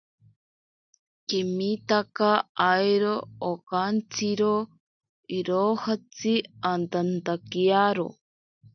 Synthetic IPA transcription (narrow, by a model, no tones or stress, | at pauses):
kimit̪akaːjɾoːkant͡siɾo | iɾohat͡siant̪ant̪akiaɾo̰